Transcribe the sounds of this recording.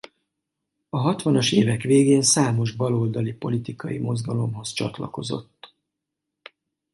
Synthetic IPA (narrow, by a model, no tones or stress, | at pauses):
ɒɦɒt̪ʋɒnɒʃeːvɛkʋeːɡeːnsaːmo̞ʒbɒlo̞ld̪ɒlipo̞lit̪ikɒjimo̞zɡɒlo̞mɦo̞st͡ʃɒ̰t̪lɒ̰ko̞zo̞̰t̪ː